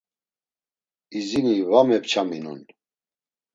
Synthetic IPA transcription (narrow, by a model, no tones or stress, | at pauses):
izinivamɛpt͡ʃʰaminṵn